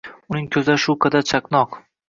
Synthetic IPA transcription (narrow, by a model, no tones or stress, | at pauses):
ʊnɪŋkʲʰɵzaʃʊkʰɑd̪at͡ʃʰaknɒq